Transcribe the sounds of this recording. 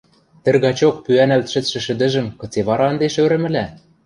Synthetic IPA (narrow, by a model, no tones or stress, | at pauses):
t̪ɘ̆rɣɑt͡ɕok̚pyænælt̪ʃɘ̆t͡sʃɘ̆ʃɘ̆d̪ɘ̆ʒɘ̆mkɤ̆t͡seβɑɾɑɤnd̪eʃøɾɘ̆mɘ̆læ